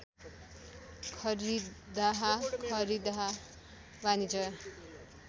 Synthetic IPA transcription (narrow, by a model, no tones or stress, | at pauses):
kʰʌɾidd̪aɦakʰʌɾid̪aɦa | banid͡zʌj